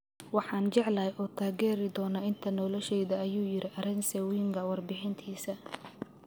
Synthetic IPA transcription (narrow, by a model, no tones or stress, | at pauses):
wɑħɑːnt͡ʃɛʕlɐːjʔɔːt̪ʰaːɣɛːɾɪd̪ɔːnɐɪnt̪ʰɐnɔlɔʃɛjðɐːjuːjɪɾɪʔɐɾɪnsɛwiːŋɡʰɐwɑrbɪħɪnt̪ʰiːsɐ